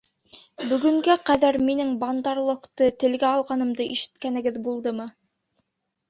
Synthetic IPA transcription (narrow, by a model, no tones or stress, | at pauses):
bɵ̆ɡɵ̆ŋɡæqæðæɾminɘŋbɑnd̪ɑɾlˠŏkt̪ɤt̪ɘ̆lɡæɑlˠʁɑnɤ̆md̪ɤʔiʃɘ̥̆t̪kænɘ̆ɡɘðbulˠd̪ɤmɤ